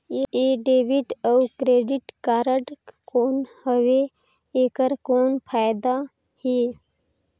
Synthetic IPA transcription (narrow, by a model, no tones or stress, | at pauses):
eɖeːʋɪʈəwkɾeːɖɪʈkaːɾəɖkoːnhəwe | eːkəɾkoːnpʰaːjd̪a | heː